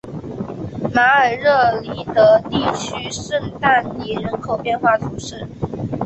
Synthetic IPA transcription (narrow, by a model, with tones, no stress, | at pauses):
ma˧˥ə˞˨˩ɻɤ˥˩li˧˥t̪ɤə˧˥t̪i˥˩t͡ɕʰy˥ʂə˥˧nt̪a˥˩nni˨˥˩ɻə˧˥nkʰo˨˩ʊpjɛ˥˧nxwa˥˩t̪ʰu˨˩ʂɻ̩˥˩